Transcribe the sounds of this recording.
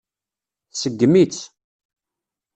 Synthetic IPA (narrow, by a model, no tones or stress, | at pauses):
θsəɡːəmit͡s